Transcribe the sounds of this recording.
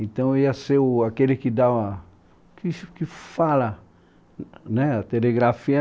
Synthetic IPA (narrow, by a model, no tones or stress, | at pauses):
ẽt̪ɐ̃w̃iɐseʊakelɪkɪd̪aa | kiʃkɪfalɐ | nɛat̪eleɡɾafiɐ